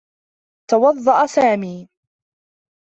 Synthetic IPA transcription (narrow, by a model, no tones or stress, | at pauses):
t̪ɑwɑðˤːɑʔasaːmiː